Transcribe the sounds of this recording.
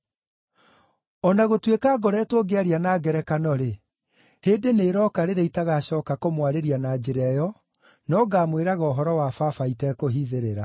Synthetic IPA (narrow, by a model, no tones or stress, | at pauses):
ɔnaɣotwekaːɡɔɾɛːtwoɡeaɾianaːɡɛɾɛkanɔɾe | heːdeneːɾɔːkaɾeɾeitaɣaɕɔːkakomwaɾeɾianaːd͡ʑeɾɛjɔ | nɔɡaːmweɾaɣɔːɦɔɾɔwafafaitɛkoɦiðeɾeɾa